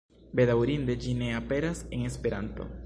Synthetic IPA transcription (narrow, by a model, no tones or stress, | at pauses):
be̞dawɾind̪e̞d͡ʒine̞ape̞ɾase̞ŋe̞spe̞ɾanto̞̰